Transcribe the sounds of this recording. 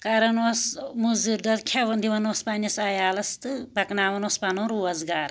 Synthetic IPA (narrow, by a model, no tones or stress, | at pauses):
kɐɾɐnwɐsmuziɾd̪ɐɾkʰɐʋɐnd̪iʋɐnɐspanʲɐsajaːlɐst̪ɨbɐknaːʋɐnwɐspanõɾuɐzɡaːɾ